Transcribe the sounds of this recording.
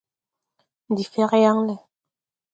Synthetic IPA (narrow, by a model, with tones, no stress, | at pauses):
d̪i˨fɛ˦ʁɛ˦ja˦ŋlɛ˨